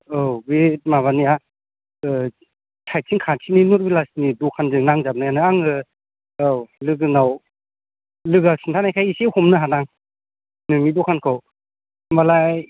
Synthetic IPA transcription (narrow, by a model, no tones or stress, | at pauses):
ɯɡimaβania | tʰaj̚sʰiŋkʰasʰininɔɾbilasnidɔkʰanzɯŋnaŋzab̚najanɯaŋɯ | lɯɡɯnaw | lɯɡasintʰanajkʰajisehɔmnɯɦanaŋ | nɯnidɔkʰankʰɯw | mbalaj